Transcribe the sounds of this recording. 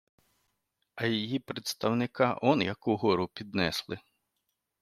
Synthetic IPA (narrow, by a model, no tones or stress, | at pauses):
ɐjijipɾet̪st̪ɐwnɪkɑʔɔnjɐkuɦɔɾʊpʲid̪nɛslˠɪ